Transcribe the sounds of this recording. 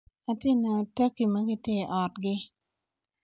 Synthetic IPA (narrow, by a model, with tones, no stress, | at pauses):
a˨tɪ˦˨na˨tɐ˦ki˨mɐ˦ɡɪ˦tje˦˨ʔɔ˨tɡɪ˦